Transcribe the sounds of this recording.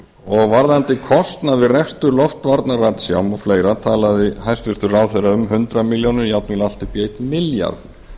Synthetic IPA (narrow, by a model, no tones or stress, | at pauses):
ɔɣvaɾðant̪ɪkʰɔst̪naðvɪrɛst̪ʏɾlɔft̪vaɾt̪naraːt̪sja̰ːwmɔfleːjɾat̪ʰaːlaðɪhajst̪vɪst̪ʏɾaːwθeɾaʏmhʏnt̪ɾamɪljownʏɾjawt̪nɪlal̥t̪ɪpjeːjt̪mɪlja̰ɾθ